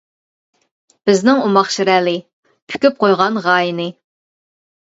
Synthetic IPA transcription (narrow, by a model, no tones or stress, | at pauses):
b̥ɪznɪŋumɑχʃiɾɛːlɪ | pʰy̥kʲyp̚qʰojʁɑnʁɑːjinɨ